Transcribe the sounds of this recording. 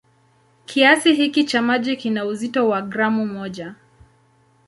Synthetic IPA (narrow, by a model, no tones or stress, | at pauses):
kʰiasiɦikit͡ʃamaʄikinauzitɔwaɡɾamumɔʄa